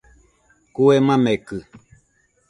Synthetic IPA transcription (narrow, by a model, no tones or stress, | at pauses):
kuemãmekɨ